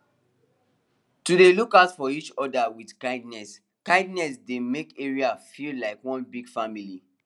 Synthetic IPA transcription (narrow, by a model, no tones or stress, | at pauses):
tudelukatfɔit͡ʃɔdawidkãɪ̃ndnɛs | kãɪ̃ndnɛsdemekeɹiafillaɪkwɔ̃nbiɡ̥famili